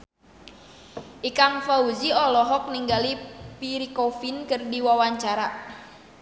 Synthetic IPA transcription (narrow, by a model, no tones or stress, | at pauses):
ʔikaŋfaud͡ʒiɔlɔɦɔk̚niŋɡalipiɾikɔfinkɨrdiwawaɲt͡ʃaɾa